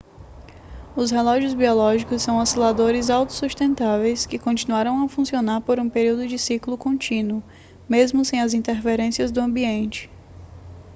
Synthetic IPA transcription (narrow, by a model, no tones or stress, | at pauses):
ʊshelɔʒiʊzbiɔlɔʒikʊsːɐ̃w̃asilad̪oɾɪzawt̪ʊ̥sust̪ẽnt̪avejskɪkõt͡ʃinuaɾɐ̃w̃ɐfũsionaɾpoɾũpeɾiwd̪ʊd͡ʒɪsiklʊkõt͡ʃĩnwʊ | mezmʊsẽj̃ɐzĩnt̪eɾfeɾẽsiɐzd̪ʊɐ̃mbiẽnt͡ʃɪ̥